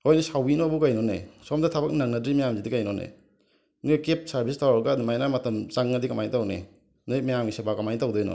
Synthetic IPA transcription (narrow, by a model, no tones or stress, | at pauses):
hojnesawbinɔbukajnɔnḛsɔmdɐtʰabɐk̚naŋnɐdɾimajamzidikajnɔnḛ | nikep̚saɾbʱistawaɾɡadimajnamɐtʰɐmt͡ʃaŋːɐdikɐmajnitawnḛ | najmajamɡisebakɐmajnitawdɔjnɔ̰